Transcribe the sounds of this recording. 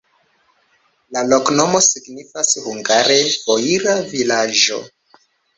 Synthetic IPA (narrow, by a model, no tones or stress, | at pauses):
lalo̞kno̞mo̞siɡnifashuŋɡaɾe̞fo̞iɾavilad͡ʒo̞̰